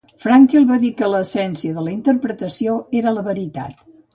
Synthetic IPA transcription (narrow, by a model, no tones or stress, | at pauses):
fɾaŋkelˠβaðikələːsɛnsiəðələint̪əɾpɾət̪əsioeɾələβəɾit̪a̰t̪